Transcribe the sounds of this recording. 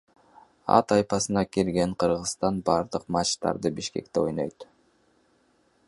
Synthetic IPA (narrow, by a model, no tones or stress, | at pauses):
ɑ̰t̪ɑjpɑsɯnɑkiɾɡe̞ɴqʰɯɾʁɯsst̪ɑnbɑɾd̪ɯqmɑt͡ʃt̪ɑ̰ɾd̪ɯbiʃke̞̰kt̪eo̞jno̞̰jt̪